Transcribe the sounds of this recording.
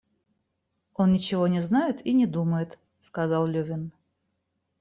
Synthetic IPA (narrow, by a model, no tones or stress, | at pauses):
o̞nnʲɪt͡ɕɪvo̞nʲɪznajɪt̪inʲɪd̪uməjɪt̪ | skɐzɑlˠlʲɵvʲɪn